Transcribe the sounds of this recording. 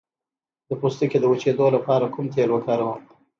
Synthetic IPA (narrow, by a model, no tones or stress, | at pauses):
d̪̥əpust̪əked̪əut͡ʃed̪olapɑɾakʰumt̪elwəkɑɾawəm